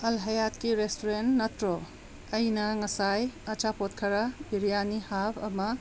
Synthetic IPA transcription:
ɐlɦɐjatkiɾestoɾentnɐtɾo | ɐjnɐŋɐsajɐt͡ʃapotkʰɐɾɐbiɾijanihapʰɐ̰mɐ

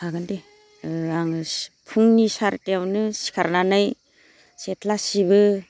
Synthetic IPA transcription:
aɡande | aŋpʰuŋnisaɾteawnɯsi̥kʰaɾnanɯj | setʰlasibɯ

